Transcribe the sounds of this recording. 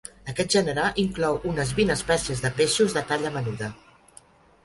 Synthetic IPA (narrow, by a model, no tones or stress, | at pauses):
əkɛt̪̚ʒənəɾalʔiŋklɔwʔunəzβinəspɛsiəzðəpeʃuzðət̪aʎəmənuðə